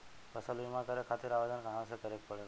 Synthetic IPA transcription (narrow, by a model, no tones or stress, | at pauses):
kəsəlʋimãkəɾekʰat̪iɾaʋed̪ənkəɦãsekəɾek̚pəɭe